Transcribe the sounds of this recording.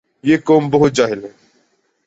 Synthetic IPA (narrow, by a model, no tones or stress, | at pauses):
jeːkoːmbəɦʊt̪̚d͡ʒaːɦɪlɦɛː